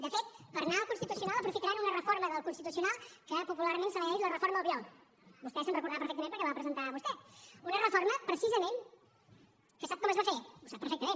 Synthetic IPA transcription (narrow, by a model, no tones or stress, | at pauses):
d̪əfet̪pəɾnaəlˠkunst̪it̪usiunalˠəpɾufit̪əɾanunərəfoɾməðəlˠkunst̪it̪us̬iunalˠkəpupulaɾmensənɛʒlərəfoɾməðəlˠβjɔl | bust̪ɛsənrəkuɾðapəɾfɛk̪̚mẽmpəɾkɛβapɾəzənt̪aβust̪ɛunərəfoɾməpɾəsizəmen | kəsap̚kɔməzβafeusapːɾfɛkt̪əmen